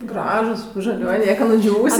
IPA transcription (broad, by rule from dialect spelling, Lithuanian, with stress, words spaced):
ˈɡrɑːʒʊs ʒɐˈlʲuɔj ˈnʲiɛkɐ nʊˈd͡ʒʲuːʋʊsʲɛ